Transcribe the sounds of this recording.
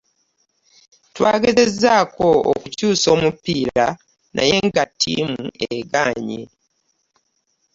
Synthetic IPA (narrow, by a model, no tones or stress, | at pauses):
twaːɡe̞ze̞zːaːko̞o̰kucuːso̞ːmupːiːɾa | nʔa̰je̞ŋɡatʰːḭmueɡaːɲi